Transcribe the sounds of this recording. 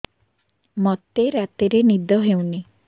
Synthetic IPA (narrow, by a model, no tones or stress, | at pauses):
mɔt̪eɾat̪iɾenid̪ɔɦew̃ni